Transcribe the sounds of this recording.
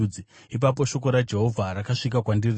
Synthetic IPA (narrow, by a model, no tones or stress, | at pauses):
i | ip̬ap̬o̞ʃo̞k̬o̞ɾad͡ʒe̞ɦo̞vʱaɾakaʂik̬akwandir